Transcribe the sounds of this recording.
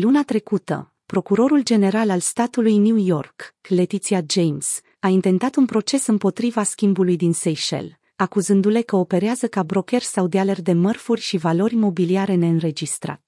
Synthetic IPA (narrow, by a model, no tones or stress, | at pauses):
lunat̪ɾe̞kut̪ə̰ | pɾo̞kuɾo̞ɾuld͡ʒe̞ne̞ɾalalst̪at̪ulujnuujo̞rkle̞t̪it̪siad͡ʒejms | aint̪e̞nt̪at̪unpɾo̞t͡ʃe̞sɨmpo̞t̪ɾivaskʲimbulujd̪insejʃḛl | akuzɨnd̪ule̞kəo̞pe̞ɾeazəkabɾo̞kʲe̞rʲsawd̪ealerd̪e̞mərfurʲʃivalo̞ɾʲimo̞biliaɾe̞ne̞ɨnɾe̞d͡ʒist̪ɾa̰t̪